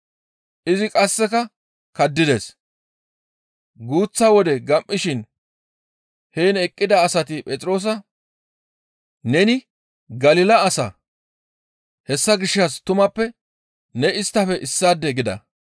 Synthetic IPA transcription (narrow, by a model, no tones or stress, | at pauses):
ʔɪzɪkʼɐsːɛkɐ | kɐd̪ːɪd̪e̞ːs | ɡuːt͡sːɐwɔd̪ɛɡɐmːɪʃɪn | heːnɛkʼːɪd̪ɐːsɐt̪ɪpʼɛt͡sʼɾo̞ːs̬ɐ | nɛnɪ | ɡɐlɪlɐːsɐ̰ | hɛsːɐɡɪʃːɐst̪ʊmɐpːɛ | nɛɪst̪ːɐfɛʔɪsːaːd̪ːɛɡɪd̪ɐ̰